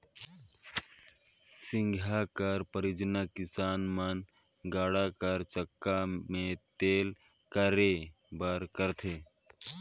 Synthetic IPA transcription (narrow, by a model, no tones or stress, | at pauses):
sɪ̃ŋɡʱakəɾpəɾɪd͡ʒnakɪsaːnmən | ɡaːɽakəɾt͡ʃəkːamẽt̪eːl | kəɾe | bəɾkəɾt̪ʰeː